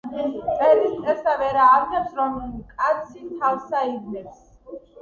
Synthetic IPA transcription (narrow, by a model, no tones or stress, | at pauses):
ɛlisʼɛsavɛɾaːvnɛpsɾɔmkʼat̪sʰit̪ʰavsaid̪nɛps